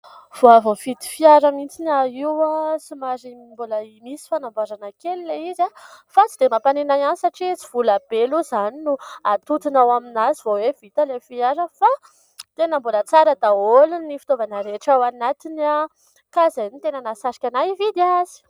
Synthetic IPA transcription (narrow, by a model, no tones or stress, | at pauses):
v̥oavovit̪i̥fiaɾəmint͡sinaiwasimazimboləimisi̥fanambaɾanakelileizafat͡sid̪emapanenajanisaʈ͡ʂit͡siv̥ulab̥eluzaninuat̪ut̪inawaminazivowevit̪alefiaɾəfa | t̪enəmbolət͡saɾəd̪aolunːifi̥t̪ovanəɾeʈ͡ʂawanat̪inia | kazanit̪enənasaɾi̥kʲanajvid̪iaazi̥